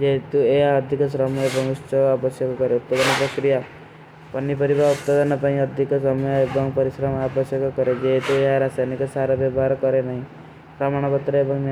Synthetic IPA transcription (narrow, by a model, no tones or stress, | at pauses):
d͡ʒeɦt̪ueɦaɔd̪ʱikɔsɾɔmɔebɔŋust͡ʃɔabɔsjɔkɔkɔɾeut̪̚pad̪ɔnɔpɾɔkɾija | pɔnːipɔɾibauppad̪anɔpaĩʌd̪ʱikɔsɔmɔjɔebɔŋpɔɾisɾɔmabɔsjɔkɔkɔɾed͡ʒeɦet̪ueɦaɾasanikɔsaɾɔbjebʱaɾkɔɾenaɦĩ | pɾɔmaɽ̃ɔpɔt̪ɾɔebɔŋn